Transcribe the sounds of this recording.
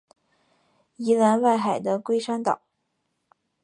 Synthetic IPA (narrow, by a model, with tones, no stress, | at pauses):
i˧˥la˧˥nwa˥˩ɪxa˨˩ɪd̪ə˦kwe˥ɪʂa˥nt̪ɑ̰˨˩˦